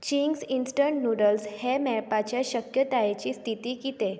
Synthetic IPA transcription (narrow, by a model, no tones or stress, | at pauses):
t͡ɕiŋɡsinsʈəɳʈnuɽəlshemɛpat͡ɕjaɕəkjət̪ajet͡ɕiːst̪ʰit̪iːkit̪e